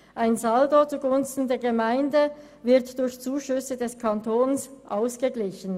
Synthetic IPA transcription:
ʔaɪnzaldot͡suɡʊnstn̩deːɐɡəmaɪndə | vɪɐtd̥ʊɾçt͡suːʃʏsədɛskʰɑntʰoːnsʔaʊsɡ̥əɡlɪçən̩

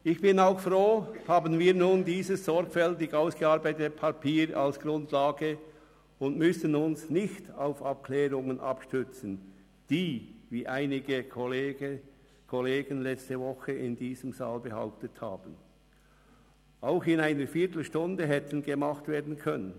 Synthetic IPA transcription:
ɪçb̥ɪnaʊxfʁoːhaːbən̩viːʁnuːndiːzəsːɔɾɡ̥fɛltɪɡaʊsɡ̥əɑɾbaɪtətpʰapʰiːɾa̰lsɡ̥ʁʊndlaːɡə | ʊndmʏsənʊnsnɪçtaʊfap̚kʰlɛːʁʊŋənʔɑ̰pʃtʏt͡sn̩ | d̥iːviːʔaɪnɪɡəolː | kʰoleːɡənlɛt͡stəvɔxəʔɪndiːzəmza̰ːlbəha̰ʊp̚tətha̰ːb̥n̩ | ʔaʊxɪnaɪnəɾfiːɐtl̩ʃtʊndəɦɛtən̩ɡəmɑχtveːɐdn̩kʰœnən

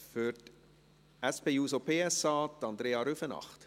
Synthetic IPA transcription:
fyrt | æspeːuːsopʰeːɛsɑːt̪ɑnd̪ɾeːɑɾyfənɑ̰χt

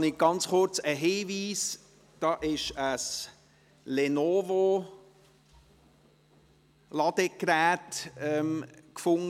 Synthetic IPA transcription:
nɪɡ̥ɑnt͡sχʊɾt͡səɦiːviːs | d̥ɑːʔɪʃəs | lenoːvo | lɑd̪əkɾæːtɛmkfʊŋ

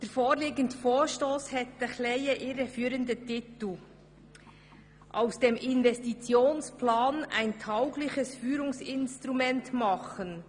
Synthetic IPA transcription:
d̥eːɾfoːɾliːɡəntfoːʃtoːshɛtəxlɛjəʔiːɾəfyːɾəndətɪtl̩ | ʔaʊsd̥emʔɪnvɛstit͡sjoːnsplaːna̰ɪntʰaʊɡlɪçəsfyːɾʊŋsɪnstɾumɛntmɑχən

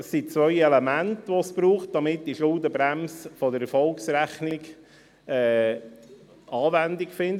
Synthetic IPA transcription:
sːit͡sʋœʏelemæntʋosb̥ɾuːχt̚d̥ɑmɪt̚d̥iʃʊld̪əbɾæmsfɔdəɾɛfɔlksɾæχniɡ | ɛː | ɑːvænd̪ɪkfɪnd

